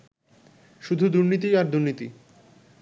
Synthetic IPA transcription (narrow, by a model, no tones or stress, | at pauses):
ʃud̪ʱud̪uɾnit̪̬iaɾd̪uɾnit̪ḭ